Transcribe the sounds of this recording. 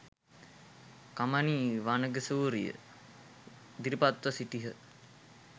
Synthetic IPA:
kamaniːʋanəɡəsuːɾijə̰ | d̪iɾipat̪ʋəsiʈiɦə

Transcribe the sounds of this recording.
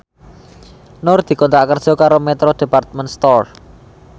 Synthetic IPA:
nʊrd̪̥i̤kɔnt̪ɾakərd̥ʒ̥ɔ̤kaɾomɛt̪ɾod̪̥e̤part̪̚mɛnst̪ɔr

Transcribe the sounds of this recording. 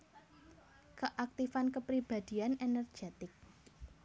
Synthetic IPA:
kəʔak̚t̪ifankəpɾib̥ad̪̥i̤anenɛr̥ʒ̥et̪ɪk̚

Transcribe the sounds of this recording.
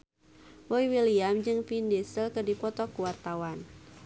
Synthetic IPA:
wɔjwiliamd͡ʒɨŋpindisəlkɨdipɔt̪ɔkuwart̪awan

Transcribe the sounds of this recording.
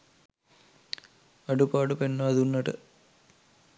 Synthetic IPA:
ɐɖupaːɖupenːɐɐðunːɐʈɨ̰

